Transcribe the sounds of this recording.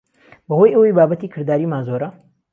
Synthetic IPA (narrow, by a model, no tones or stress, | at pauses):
bɐhojʔəwejbaːbɐt̪iːkʰɨɾd̪aːɾiːmaːnzoːɾɐ